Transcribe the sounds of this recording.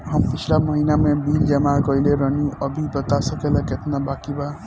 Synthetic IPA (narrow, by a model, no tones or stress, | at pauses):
ɦʌmpit͡ʃʰilamʌɦinamebild͡ʒemakʌileɾʌniʌbʱibʌt̪asəkelaket̪ʰnabakiba